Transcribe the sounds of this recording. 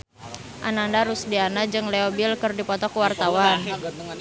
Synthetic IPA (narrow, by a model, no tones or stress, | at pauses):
ʔanandaɾusdianad͡ʒɨŋleobilkɨrdipɔt̪ɔkuwart̪awan